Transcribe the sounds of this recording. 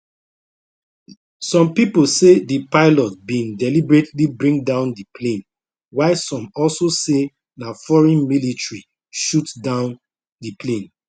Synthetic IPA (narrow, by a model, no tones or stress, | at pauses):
sɔ̃mpiposedipaɪlɔt̚bĩŋdɛlibɹetlibɹĩŋdãʊ̃ndiplẽn | waɪsɔ̃mɔlsose | nafɔɹɛ̃nmilitɹi | ʃutdãʊ̃n | dəplẽn